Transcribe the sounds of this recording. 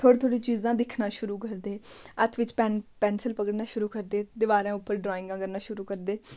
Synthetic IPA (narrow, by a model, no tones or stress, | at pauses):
t̪ʰoːɽt̪ʰoːɽĩːt͡ʃiːzãːd̪ɪkʰnaːʃʊɾuːkəɾd̪eːət̪ʰʋɪt͡ʃpɛːnpɛ̃ːnsəlpəɡəɽnaːʃʊɾuːkəɾd̪eːd̪ɪʋaːɾãːʊpːəɾɖɾɔːɪ̃ŋɡãːkəɾnaːʃʊɾuːkəɾd̪eː